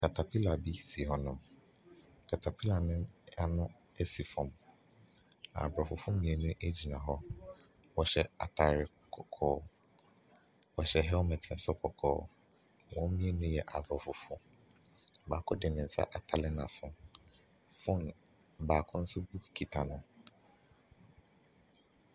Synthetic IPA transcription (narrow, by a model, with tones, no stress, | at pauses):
kʰa˨tʰa˨pʰi˦la˨bi˦si˨hɔ˨nʊ̃˨m | kʰa˨tʰa˨pʰi˦la˨nɪ̃˦a˦nʊ̃˦ | e˦si˨fɔ̃˨m | a̰˨bɾɔ˨fʊ˨fʊ̃˦mĩ˨˦e˨nũ˦ʔe˦d͡ʑi˨nã˨ɦɔ˦ | wɔ˨ɕɛ˨a̰˨tʰa˨ɾɪ˨ | kʰɔ˨kʰɔː˦ | wɔ˨ɕɛ˨ɦɛ˦mɛ˨tʰi˨sʊ˦kʰɔ˨kʰɔ̰ː˦˨˦ | wɔ̃˦m˦mĩ˦e˦nũ˦jɛ˨ʔa˨bɾɔ˨fʊ˨fʊ˦ | baː˨kʰʊ˦dɪ˨nɪ̃˨n̩˨sa̰˦ʔa˨tʰa˨lɪ˦nã˨sʊ̃˨ | fʊ̃˦˨n | baː˨kʰʊ̃˦n̩˦sʊ˦bu˦˨kʰi˨tʰa˨nʊ̃˦